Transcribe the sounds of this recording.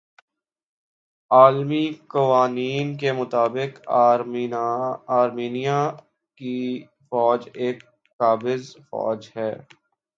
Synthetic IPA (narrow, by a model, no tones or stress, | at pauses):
aːlmikɐʋaːniːnkemʊt̪aːbɪk | aːɾmiːnija | ki | fɔːd͡ʒeːkː | aːbɪzfɔ̰ːd͡ʒɦɛː